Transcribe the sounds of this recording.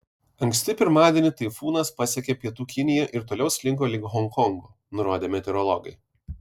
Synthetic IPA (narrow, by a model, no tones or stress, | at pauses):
ɐŋʲkʲsʲt̪ʲɪpʲɪɾmɑːd̪ʲiɛnʲɪt̪ɐɪfuːnɐspɐsʲɛkʲɛpʲiɛt̪uːkʲɪnʲɪjɛʔɪɾt̪oːlʲɛʊsʲlʲɪŋk̬oːlʲɪkɦɔŋkɔŋɡoː | nʊɾoːd̪ʲeːmʲɛt̪ʲɛɾɔlˠɔɡɐɪ